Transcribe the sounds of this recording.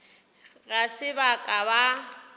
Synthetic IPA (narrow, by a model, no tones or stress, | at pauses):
ɣasɪbakʼaba